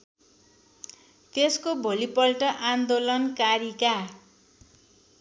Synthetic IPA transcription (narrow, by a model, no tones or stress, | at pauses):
t̪eskobʱolipʌlʈʌʔand̪olʌnkaɾika